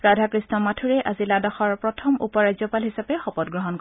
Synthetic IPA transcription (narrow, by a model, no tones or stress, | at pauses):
ɹadʱakɹisnɔmatʰuɹɛʔaziladaxɔɹpɹɔtʰɔmṵpɔɹajzɔpalɦisapɛxɔpɔt̚ɡɹɔɦɔnkɔ